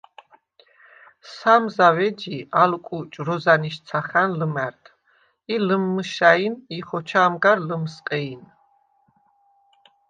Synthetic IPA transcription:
samzavɛd͡ʒialkʼut͡ʃʼɾɔzaniʃt̪sʰaχanləmæɾt̪ʰ | iləmːəʃainiχɔt͡ʃʰaːmɡaɾləmsqʼɛin

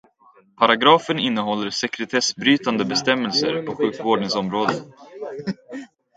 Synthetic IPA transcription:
pʰaɾaɡɾɑːfənɪnːəɦɔlːəɾsɛkɾɛt̪ʰɛsbɾyːt̪and̪əbɛst̪ɛmːɛlsə̰ɾpʰɔɧʉ̟ːkvoːɖɳɪŋsɔmɾoːd̪ən

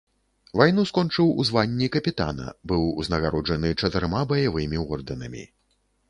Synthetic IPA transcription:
vajnuskɔnt͡ʂɨwuzvanʲːikɐpʲit̪a̰nɐ̰bɨwuznɐɣaɾɔd͡ʐɐnɨt͡ʂɐt̪ɨrmabɐjavɨmʲiɔrd̪ɐnɐmʲḭ

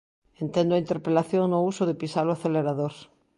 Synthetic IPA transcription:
ent̪end̪oaint̪eɾpelaθjoŋnousoðepisaloaθeleɾaðoɾ

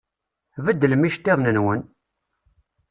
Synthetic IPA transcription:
vəd̪ːləmiʃt̪ːeðˤnənwən

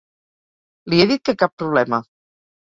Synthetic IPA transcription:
lieðit̪̚kekapːɾuβlɛma

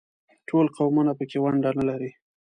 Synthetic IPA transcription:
ʈʰolqawmunapəkewaɳɖanalaɾi

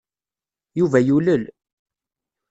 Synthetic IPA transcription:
juvæjuləl

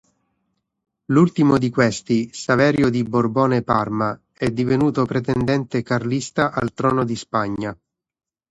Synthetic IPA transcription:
lult̪imod̪ikwest̪isavɛːɾjod̪iborbɔːneparma | ɛd̪ivenuːt̪opɾet̪ɛnd̪ɛnt̪ekarlist̪aʔa̰lt̪ɾɔːnod̪ispaɲːa

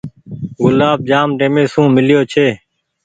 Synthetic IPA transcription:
ɡʊlaːb̚d͡ʒaːmʈeːmẽːsũːmɪlɪjoːt͡ʃʰeː

